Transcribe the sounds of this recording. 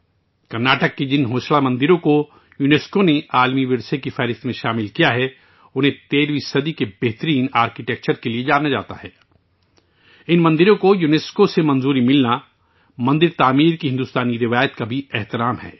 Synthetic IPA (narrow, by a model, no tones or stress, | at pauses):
kɐɾnaːʈəkːed͡ʒɪnɦoːʃɭamɐ̃nd̪ɪɾõko | juneːskoneaːlmiʋɪɾsekifɛːɾɪst̪mẽʃaːmɪlkijaɦɛ | ʊnɦẽt̪eːɾʋisɐd̪ikebɛɦt̪əɾiːnaːɾkiʈeːk̚t͡ʃəɾkelied͡ʒaːnad͡ʒaːt̪a̰ɦɛː | ɪnmɐ̃nd̪ɪɾõkojuːneːskosemɐ̃nzuːɾimɪlna | mɐ̃nd̪ɪɾt̪aːmiːɾkiɦɪ̃nd̪ust̪aːniɾɪʋaːjət̪kabʱiɛɦt̪ɪɾaːmɦɛ̰ː